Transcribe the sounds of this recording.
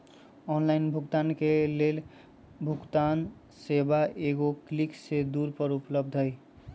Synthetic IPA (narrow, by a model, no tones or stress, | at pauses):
ɔnlaɪnbʱukt̪ankelel | bʱukt̪an | sebaʔeɡokliksed̪uɾpəɾupləb̚d̪ʱəj